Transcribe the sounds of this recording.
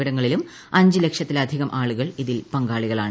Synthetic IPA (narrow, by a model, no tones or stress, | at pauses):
ɐɽɐŋːɐɭilum | ɐɲd͡ʑɨle̞kʂɐt̪ːilɐd̪ʱiɣɐmʔaːɭuɣɐɭiðilpɐŋɡaːɭiɣɐɭaːɳɨ